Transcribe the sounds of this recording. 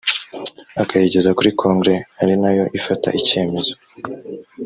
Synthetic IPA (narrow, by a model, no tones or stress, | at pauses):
akajeɟe̞zakuɾikʰo̞ːŋɡɾe̞haɾinajo̞ʔifata̰ʔice̞ːme̞zo